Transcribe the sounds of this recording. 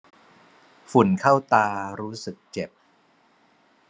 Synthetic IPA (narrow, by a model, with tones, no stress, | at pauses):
fu˨˩˦nkʰa˥˩wt̪aː˧ɾuː˦˥sɯ˨˩k̚t͡ɕe˨˩p̚